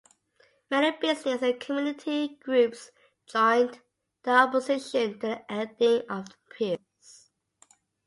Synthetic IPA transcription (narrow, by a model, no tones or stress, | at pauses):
mɛnibɪsnɪsə̃nkʰəmjunɪtʰiɡ̥ɹʉˑps | d͡ʒɔ̃ɪ̃nd | ð̥əɔpəzɪʃə̃ntʰəʔɛdɪ̃ŋəvðəpʰi | s